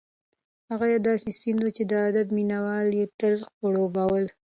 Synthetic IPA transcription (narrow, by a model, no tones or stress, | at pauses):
haɣajad̪ɑsesɪnd̪wut͡ʃed̪əad̪abminawɑljet̪əlxoɽobawəl